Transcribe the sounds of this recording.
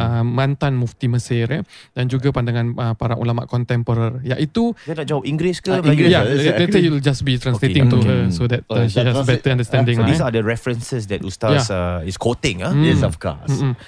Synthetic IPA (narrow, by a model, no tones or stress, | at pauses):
əmãnt̪anmũft̪iməsɪɾadand͡ʒuɡapandaŋãnəpaɾaŋʔṵlama̰ʔkɔnt̪ɛmpoɾarjaʔit̪uɡanad͡ʒawəpĩŋɡlɪskəjaɛdɛəjuwld͡ʒasbit̪ɾãnsleɪ̃ŋt̪uɦəsod̪ɛt̚əʃiasbɛt̪əãndəst̪ɛ̃ndɪ̃ŋdisadəɹɛfɾənsəsdɛtust̪ajasaiskʰot̪ɪ̃ŋaɛsɔfkɔ̰